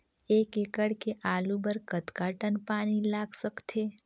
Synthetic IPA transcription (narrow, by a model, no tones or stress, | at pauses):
ekekəɽkeʔaːlubəɾkət̪kaʈənpaːnilaɡsəkt̪ʰe